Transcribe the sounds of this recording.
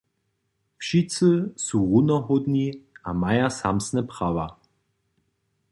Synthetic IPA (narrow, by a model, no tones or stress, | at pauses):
pʃit͡səsuʁunɐɦʊdniamajɐsamsnəpʁ̥ava